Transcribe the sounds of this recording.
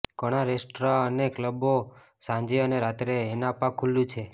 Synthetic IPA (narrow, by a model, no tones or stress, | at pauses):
kɔɽ̃aɾesʈɾaənekləbo | sãɲd͡ʒeəneɾat̪ɾeːnapãkʰːulːũt͡ʃʰe